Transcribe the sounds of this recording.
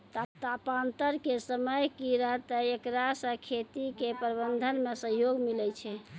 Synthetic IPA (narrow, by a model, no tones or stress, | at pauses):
t̪t̪apant̪əɾkesəməjkiɾəɦt̪əekɾasə̃kʰet̪ikepəɾbənd̪ʱənmesəɦjoɡmilɛt͡ʃʰɛ